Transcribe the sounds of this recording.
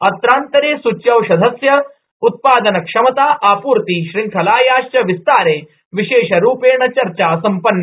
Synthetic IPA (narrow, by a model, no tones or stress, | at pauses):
ɐt̪ɾaːnt̪ɐɾeːsut͡ɕjɐwɕɐd̪ʱɐsjɐ | ut̪̚paːd̪ɐnɐkʂɐmɐt̪aːʔaːpuːɾt̪iʃɾiŋkʰɐlaːjaːʃt͡ʃɐʋist̪aːɾeː | ʋiɕeːɕɐɾuːpeːɳɐt͡ɕɐɾt͡ɕaːsɐmpɐnːɐ